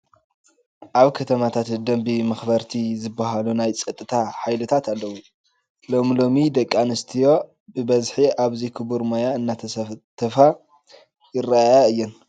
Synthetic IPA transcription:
ʔaβkʰɐt̪ʰɐmat̪ʰat̪d̪ɐmbimɐxbɐɾt̪ʰizɨbːaɦalunajt͡sʼɐt̪ʼːɨt̪ʰaħajlɨt̪ʰat̪ʰalːɐwu | lo̞mlo̞mid̪ɐkʼːanɨst̪ʰijo̞ | bɨbɐzħiʔaβzikʰɨbuɾmojaɨnːat̪ʰɐt̪ʰɐfa | jɪɾaajaɨjːɛn

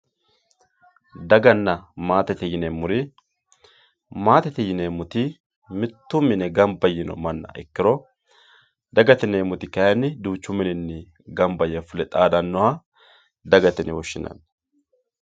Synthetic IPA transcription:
d̪ɐɡɐnːɐmaːt̪ɛt̪ɛjɪnemʊɾɪ | maːt̪ɛt̪ɛjɪnemʊt̪ɪ | mɪt̪ːʊmːɪnɛɡɐmbɐjɪnɔ̰mɐnːɐ̰ʔɪkːɪɾɔ | d̪ɐɡɐt̪ɪneːmʊt̪ɪkɐjɐnːɪd̪uːt͡ʃːʊmɪnɪnːɪ | ɡɐmbɐjɛfʊlɛt̪ʼaːd̪ɐnːɔwa | d̪ɐɡɐt̪ɪnɪwɔʃːɪnɐ̰n

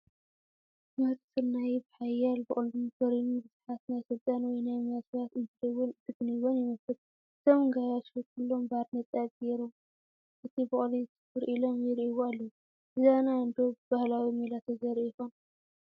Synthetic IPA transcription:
mɐɾsɨnnːajbħajalbɨχʼlumfɐɾinubɨzħat̪najsɨlt̪ʼanwɔjnajmasat̪ɨnt̪ʰɨdwt̪ʰɨɡniwonjɪmɐsɨt̪ | ɨt̪ʰomɨŋɡajaʃhot̪̚kʰɨlːombad̪nɐt̪ʼat̚ʼɡeɾom | ʔɨt̪ʰibɨχʼlit̪ɨfɨɾʔilomjɪɾiwualːɐwu | ɨzanaɨnd̪obahlawimelat̪ʰɐzɐɾkon

